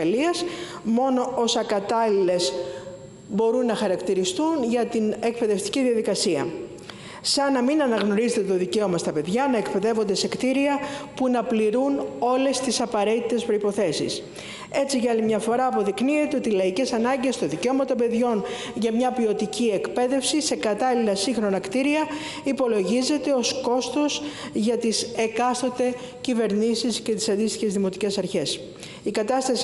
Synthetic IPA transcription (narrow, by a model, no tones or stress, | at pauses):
ɐliɐsmo̞no̞ʔo̞sɐkɐt̪ɐlile̞s | bo̞ɾunːɐxɐɾɐkt̪iɾist̪unʝɐt̪ine̞kpe̞ðe̞ft̪i̥ciðiɐðikɐsiɐ̰ | sɐnɐminɐnɐɣno̞ɾizet̪et̪o̞ðice̞o̞mɐst̪ɐpe̞ðʝɐnɐekpe̞ðe̞vo̞nd̪ese̞kt̪iɾiɐpunɐpliɾuno̞le̞st̪isɐpɐɾe̞t̪it̪e̞spɾo̞ipo̞θe̞sḭs | e̞t͡siʝɐɐlimɲɐfo̞ɾɐːpo̞ðiknie̞t̪e̞o̞t̪ilɐice̞sɐnɐɲɟe̞st̪oðiceo̞mɐt̪o̞mbe̞ðʝo̞n | ʝɐmɲɐpio̞t̪icie̞kpe̞ðe̞fsise̞kɐt̪ɐlilɐsiŋxɾo̞nɐkt̪iɾiɐ | ipo̞lo̞ʝize̞t̪e̞o̞sko̞st̪o̞sʝɐt̪ise̞kɐst̪o̞t̪e̞ | cive̞ɾnisisce̞t̪i̥sɐnd̪ist̪içe̞zðimo̞t̪ice̞sɐɾçe̞s | ikɐt̪ɐst̪ɐs